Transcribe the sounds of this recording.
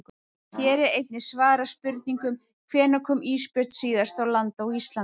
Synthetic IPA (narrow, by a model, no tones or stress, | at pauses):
çɛːɾɛɾejt̪̚nɪsvaːɾaspʏɾt̪̚niŋkʏm | kʰvɛːnakʰʏmiːspɪɾ̥t̪siːðast̪awlant̪ɔwɣist̪la